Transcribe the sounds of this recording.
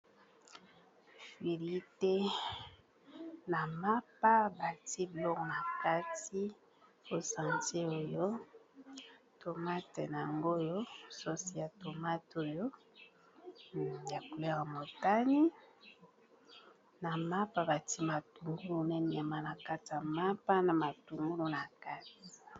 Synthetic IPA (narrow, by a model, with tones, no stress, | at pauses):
fi˨li˦te˦ | na˨ma˦p̚a˦ba˨ti˦blɔ˦kna˨ka˦ti˦ | o˦sã˨nte˦o˦jo˦ | to˨ma˦te˨n˨a˨ŋɡo˦jo˦so˦si˦ja˨to˨ma˦to˦jo˦ | ja˨ku˨lɛ˦ʁa˨mo˨ta˦ni˦ | na˨ma˦pa˦ba˨ti˦ma˨tu˨ŋɡu˦lu˨nɛ˦ni˨a˨ma˦na˨ka˦ti˨a˨ma˦pa˦na˨ma˨tu˨ŋɡu˦lu˨na˨ka˦ti̥˨